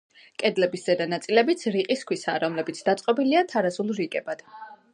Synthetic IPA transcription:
kʼɛd̪lɛbiszɛd̪anat̪sʼilɛbit̪sʰɾiqʼiskʰwisaːɾɔmlɛbit̪sʰd̪at̪sʼqʼɔbiliat̪ʰaɾasulˠɾikʼɛbad̪̥

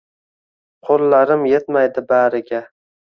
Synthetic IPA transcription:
qʰolːaɾɪmje̞t̪majd̪ɪbaɾɪɡʲa

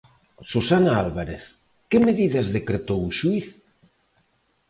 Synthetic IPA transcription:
sosanalβaɾeθ | kemeðiðazðekɾet̪owʃuiθ

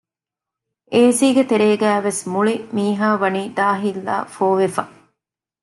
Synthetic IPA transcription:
ʔeːsiːɡet̪eɾeːɡæːʋesmuɭimiːɦaːʋɐniːd̪aːɦilːa̰ːfoːʋefɐ

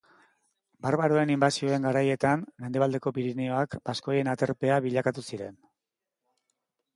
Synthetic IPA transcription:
baɾβaɾoe̞nimbasio̞e̞ŋɡaɾaje̞t̪anme̞nd̪e̞β̞ald̪e̞ko̞piɾineo̞akbasko̞je̞nat̪e̞ɾpe̞aβiʎakat̪usiɾe̞n

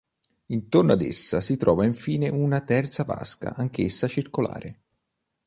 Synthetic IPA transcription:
int̪ornoad̪ḛsːasit̪ɾɔːvaiɱfiːneʔunat̪ɛrt̪sava̰ska̰ʔaŋk̟esːat͡ʃirkola̰ːɾʔe

